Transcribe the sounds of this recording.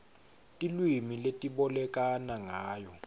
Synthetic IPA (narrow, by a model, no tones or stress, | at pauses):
tʼilwimiletʼiɓɔlɛk̬ʼanaŋaːjɔ